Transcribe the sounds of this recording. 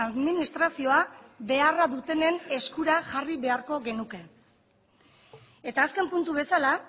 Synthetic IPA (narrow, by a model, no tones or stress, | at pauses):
aðminist̪ɾasio̞aβe̞araðut̪e̞ne̞ne̞skuɾaʝariβe̞aɾko̞ɣe̞nuke̞ | e̞t̪aːske̞mpunt̪uβe̞sala